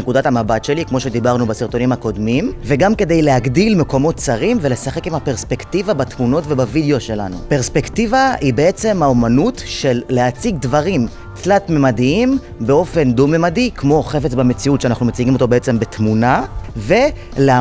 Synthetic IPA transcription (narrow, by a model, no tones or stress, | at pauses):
ekud̪atamabatʃe̞likmo̞ʃe̞d̪ibaʁnubasiʁto̞nimhako̞d̪mimveɡamke̞d̪ejleaɡdilmeko̞mo̞t̪t͡saʁimvele̞saχe̞kimhape̞ʁspe̞ktivabatmuno̞tve̞bavid̪eo̞ʃe̞la̰nṵpeʁspekt̪ivahibee̞t͡se̞mhaomanutʃe̞lːeat͡siɡdvaʁim | t͡slatmemadiim | be̞o̞fe̞nd̪umemadikmo̞χe̞fet͡sbamet͡siutʃeanaχnumet͡siɡimo̞to̞beet͡se̞mbe̞tmunave̞ | lea